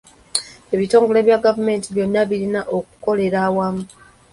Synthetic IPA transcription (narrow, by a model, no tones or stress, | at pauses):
e̞βito̞ːŋɡo̞le̞ːβjaɡavume̞ːntiβjo̞nːaβiɾinaʔo̞k̚u̥ko̞le̞ɾawamu